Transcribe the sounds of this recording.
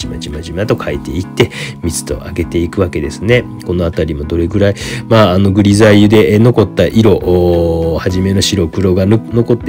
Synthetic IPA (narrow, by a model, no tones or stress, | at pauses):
imat͡ɕimaʑimat̪o̞kʰait̪e̞it̪ːe̞mʲit͡sɨ̥t̪o̞̰ʔaɡe̞t̪e̞ikɯ̟βake̞d̪e̞sɨne̞ | ko̞no̞at̪aɾʲimo̞d̪o̞ɾe̞ɡɯ̟ɾaimaːno̞ɡɯ̟ɾʲizaiɯ̟d̪e̞ʔno̞ko̞t̪ːaʔiɾo̞ʔ | haʑime̞no̞ɕiɾo̞kɯ̟ɾo̞ɡano̞ko̞t̪ːe